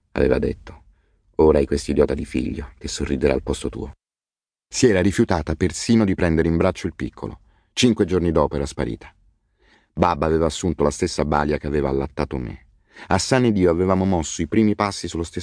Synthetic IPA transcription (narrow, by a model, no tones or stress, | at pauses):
a̰vḛːva̰d̪ḛt̪ːo̥ | oːɾaajkwest̪id̪jɔːt̪ad̪ifḭʎːok̟esːorːid̪eɾa̰ːlpɔst̪ot̪ṵːo | siɛːɾaɾifjut̪aːt̪apersiːnod̪ipɾɛnd̪eɾeimbɾat͡ʃːoilpikʰːo̰lʔo̰ | t͡ʃiŋkwed͡ʒornid̪ɔːpoɛɾaspaɾḭːt̪ʰḁ | babːaːveːvaːsːunt̪olast̪esːaba̰ljakeaveːva̰ːlːat̪ːaːt̪omḛ | asːanːed̪iːoavevaːmomɔsːoipɾiːmipasːisulːost̪e